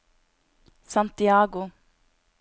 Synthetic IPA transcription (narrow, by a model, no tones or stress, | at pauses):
sɑnt̪ɪɑːɡʊ